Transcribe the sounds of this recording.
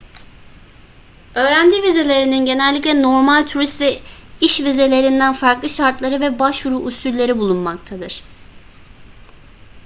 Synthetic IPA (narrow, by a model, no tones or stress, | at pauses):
ø̞ːɾænd͡ʒ̪ivize̞lʲe̞ɾininɟe̞nælʲːiclʲɛno̞ɾmalʲt̪ʰuɾist̪vɛiʃvize̞lʲe̞ɾind̪ænfaɾklˠɯʃaɾt̪lˠaɾɯvɛbaʃvuɾuʔːsylʲːe̞ɾibulˠunmak̚t̪ʰad̪ɯɾ̥